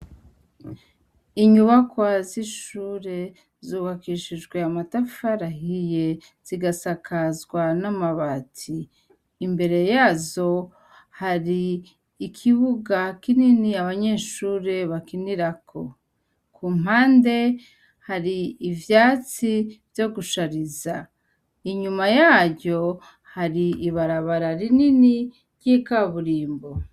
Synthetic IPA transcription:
iɲuβakwaziʃuːɾe̞ | zuβakiʃid͡ʒɡwe̞amatafaɾahije̞ | z̥iɡasakʰazɡwanamaβaːtʰiː | mbe̞ɾe̞jaːzo̞ | haɾiː | kʰiβuɡakininiaβaɲe̞ːʃuːɾe̞βakiniɾakʰo̞̰ | kuːm̥ɦaːnde̞ | haɾiːvjaːt͡sivjo̞ɡuʃaɾiza | iɲumajaːɾɟo̞ | haɾiiβaɾaβaɾaɾinini | ɾɟikaβuɾiːmbo̞

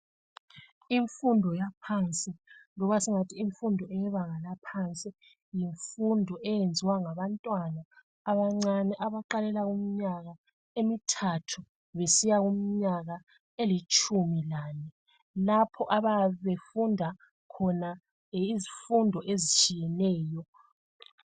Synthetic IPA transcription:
iɱfundʱɔjapʰant͡sʼilɔβasiŋatʰiːɱfundʱɔɛjɛβaŋalapʰant͡sʼi | jiɱfundʱɔʔɛjend͡zʱiwaŋaβantʼwanaː | βaŋ͡ǀanɛʔaβaǃalɛlaɣum̩ɲaɣa | emitʰatʰu | βesijaɣum̩ɲaɣa | elit͡ʃʼumilaːnɛ | lapʰɔʔaβaβefundʱa | kʰɔna | izifundʱɔʔezit͡ʃʼijɛnɛːjɔ

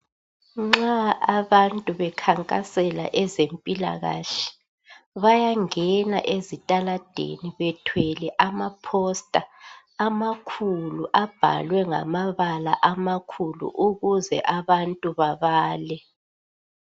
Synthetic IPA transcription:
ŋ͡ǁaːβantʼuβɛkʰaŋkʼasɛla̰ʔɛzempʼila̰ɣa̰ɬɛ̥ | βajaŋɛna̰ʔezitʼalad̥ʱḛniβɛtʰwɛlɛʔamapʰɔstʼaː | makʰuluʔab̥ʱa̰lwɛŋa̰maβala̰ʔamakʰulṵʔuɣuzɛ̰ʔaβantʼuβaβaːlɛ

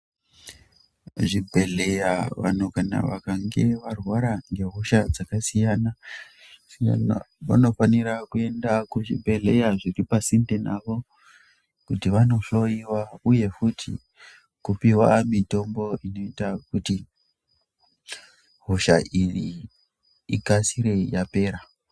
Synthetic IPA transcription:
ʐibʱe̞ɮejaʋa̰n̤ukana̰ʋa̰kaŋɡeʋarwaɾaŋɡe̞ɦoʃad͡zakasijana | sija̰na̰ʋa̰no̞faniɾakue̞ndakuʐḭbʱe̞ɮejaʐiripasindenaʋo̞ | kutiʋano̞ɬo̞iwauje̞futʰḭ | kupiwamito̞mbo̞ʔino̞itakuti | ɦuʃaʔiriː | kasiɾe̞jape̞ːɾa

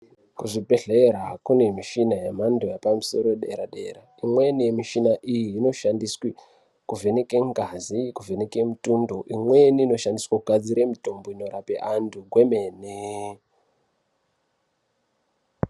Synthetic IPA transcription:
kuʐibʱe̞ɮeɾakune̞miʃinajem̤andojapamuso̞̰ɾoɗḛɾaɗe̞̰ɾaimwe̞nije̞miʃinaʔijiːno̞ʃandiswi | kuve̞nekeŋɡazikuve̞neke̞mutundo̞ʔimwe̞niːno̞ʃandiswakuɡʱad͡ziɾemito̞mboinoɾape̞̰ʔanduɡwemeːne

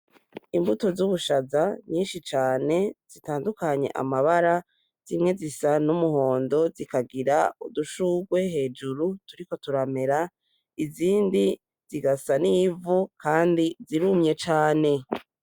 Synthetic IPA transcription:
imbuto̞zuβuʃazaɲiːnʃit͡ʃaːne̞z̥itaːndukaɲe̞̰ʔa̰maβaɾa | z̥imŋe̞zisanumuho̞ːndo̞zikaɡiɾaṵduʃuːɡwe̞he̞ːd͡ʒuɾutuɾiko̞tuɾame̞ɾa | iziːndi | z̥iɡasaniːvukʰaːndiziɾumɲe̞t͡ʃaːne̞

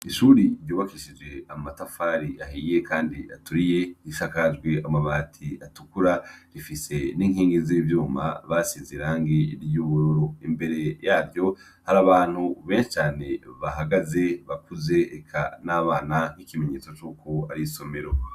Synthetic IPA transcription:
iʃuːɾiɾjuːβakiʃid͡ʒe̞amatafaɾiʔaɦiːje̞kaːndia̰tuɾije̞iʃakaʒɡweʔamaβatʰiatukuɾaɾifise̞niːŋhiːŋɡezivjuːma̰βasiːnziɾaːŋɡeɾjuβuɾoɾo̞imbe̞ɾe̞jaːɾjo̞ | haɾaβaːn̥huβe̞ːnʃi̥t͡ʃaːne̞βaɦaɡaze̞βakuze̞ːkʰa̰naːβaːnaŋ̥hikime̞ɲe̞ːt͡so̞t͡ʃuːkʰo̞aɾiso̞me̞ɾo̞

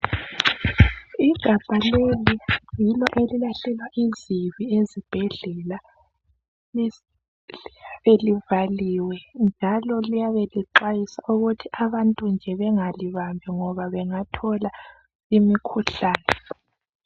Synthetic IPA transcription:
iɡ̥ʱab̥ʼʱalelijilɔʔelilaɬɛlwaʔiziβiezib̥ʱɛɮɛla | aβelivaliwɛnd͡ʒʱalɔlijaβeliǃajisaʔuɣutʰiʔaβantʼund͡ʒʱɛβɛŋaliβambʱɛŋɔβaβɛŋatʰɔla | imikʰuɬaːnɛ

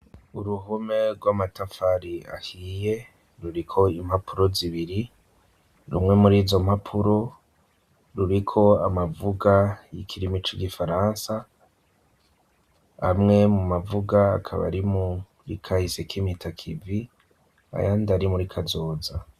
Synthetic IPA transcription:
uɾuɦume̞ɾɡwamatafaɾia̰hije̞ | ɾuɾikʰo̞im̥hapʰuɾo̞ziβiɾi | ɾṵmŋe̞muɾiːzo̞m̥hapʰuɾo̞ | ɾuɾikʰo̞amavuɡajikʰiɾimit͡ʃiɡifaɾaːnsa | ha̰mŋe̞mumavuɡa̰ːkʰa̰βa̰ɾimu | ɾḭkʰahisekimitʰakʰivi | a̰jandaɾimuɾikʰazo̞ːza

